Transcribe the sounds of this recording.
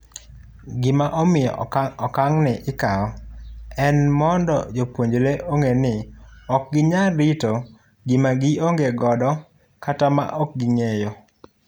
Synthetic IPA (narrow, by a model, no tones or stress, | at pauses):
ɡɪmaʔɔmɪjɔ̰ɔkaŋnɛʔɪkaɔɛnmɔndɔ̰d͡ʒopwoɲd͡ʒleʔoŋenɪɔk̚ɡɪɲaɾɪto | ɡɪmaɡɪoŋɡeɡɔdɔ | katama̰ʔɔk̚ɡɪŋejo